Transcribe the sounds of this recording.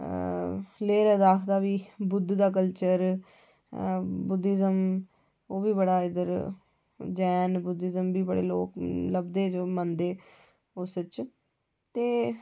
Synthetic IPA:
leːɾəd̪aːkʰd̪aːʋiːbʊd̪d̪aːk̬əlt͡ʃəɾ | bʊd̪ɪzəm | oːbiːbəɽaːɪd̪əɾ | d͡ʒɛːnbʊd̪ɪzəmbiːbəɽḛːloːkləbd̪eːd͡ʒoːmənd̪eː | ʊsət͡ʃ | t̪eː

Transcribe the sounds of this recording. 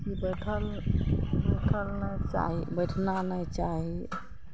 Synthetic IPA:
kibəʈʰal | bəʈʰəlnajt͡ʃa̰ɦibəʈʰnanajt͡ʃaɦi

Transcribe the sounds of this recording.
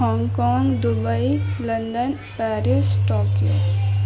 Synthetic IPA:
ɔ̃ːŋkɔːŋɡd̪ʊbəilə̃nd̪ən | pɛːɾisʈɔːkijo̰

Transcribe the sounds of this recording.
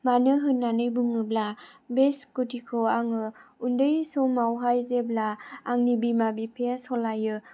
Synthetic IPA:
manɯɦɯnːanɯjbuŋɯblabeskutikʰoaŋɯundɯjsɔmawɦajzeblaːŋnibimabipʰeasɔlajɯ

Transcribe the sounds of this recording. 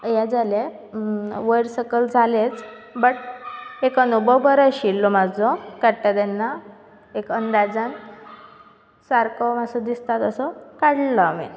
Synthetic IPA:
jad͡zale | ʋəjɾsəkəld͡zʱalet͡sbəʈekənubəwbəɾəɕilːɔmad͡zɔkaʈːad̪enːa | ekənd̪ad͡zãn | saɾkɔmasɔd̪ist̪at̪əsɔkaɽlamḭ

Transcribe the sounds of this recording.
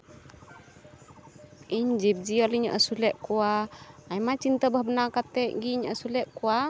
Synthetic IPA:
iɲd͡ʒip̚d͡ʒiɔliɲəʔəsulɛʔkuaːjmat͡ʃint̪əbahbənakat̪ɛʔɡiɲəəsulɛʔkua

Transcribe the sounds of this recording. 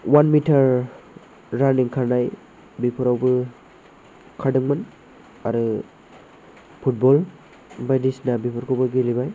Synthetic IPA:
wanmitʰaɾː | aniŋkʰaɾnaj | bipʰɯɾawbɯ | kʰadɯŋmɯn | aɾɯ | pʰut̚bɔl | bajdisnabipʰɯɾkʰɔwbɯɡelibaj

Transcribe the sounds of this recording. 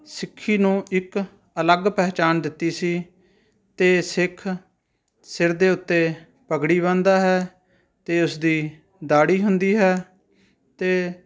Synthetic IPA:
sɪkʰːiːnũːɪk | ələɡpɛːt͡ʃaːnd̪ɪt̪ːiːsiː | t̪eːsɪkʰ | sɪɾd̪eːʊt̪ːeː | pəɡɽiːβãːnd̪aːɦɛː | t̪eːʊsd̪iː | d̪aːɽiːɦʊnd̪iːɦɛː | t̪eː

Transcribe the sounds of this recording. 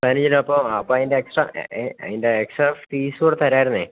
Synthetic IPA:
pɐnid͡ʑinmɐpːoɐpːoːɐðindeːksʈrɐ̰ɐ̰ðindeeksʈɐt̪iːskoːɽet̪ɐɾaːjiɾunːɨ

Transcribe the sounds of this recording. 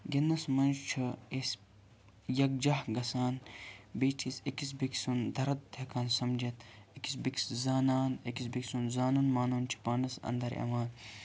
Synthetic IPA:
ɡʲenːɐsmɐnd͡ʒt͡ʃʰɨes | jɐk̚d͡ʒɐhɡɐsaːnbeːtʰisekis̬biksund̪ɐɾɐt̪t̪ʰekaːnsɐmd͡ʒɐt̪ekisbikszaːnaːnekis̬biksunzaːnunmaːnunt͡ʃʰi̥paːnɐsɐ̰nd̪ɐɾɐ̰ʋaːn

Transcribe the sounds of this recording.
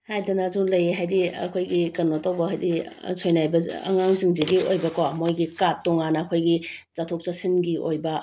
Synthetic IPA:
hajdɐnɐzuŋlɐjeɦajdiɐ̰kʰojɡikɐnotawbɐɦajdisojnajbɐɐ̰ŋaŋziŋziɡiojbɐkomojɡikap̚tɔŋanɐɐkʰojɡizatʰok̚t͡ʃasinɡiʔojbɐ

